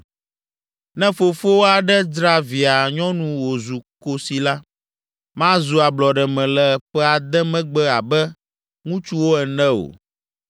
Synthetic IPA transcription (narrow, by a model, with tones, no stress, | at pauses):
nɛ̃˦fo˨fo˦wo˦a˨ɖɛ˦d͡ʒɾa˦vi˨a˨ɲɔ̃˦nũ˨wo˨zu˨ko˦si˨la˦ | mã˦zu˨a˨blɔ˨ɖɛ˨mɛ̃˨lɛ˨ɸɛ˦a˨d̪ɛ˦mɛ̃˦ɡ͡bɛ˦a˨bɛ˦ | ŋũ˦t͡ʃu˦wo˦ɛ˨nɛ̃˦o̰˨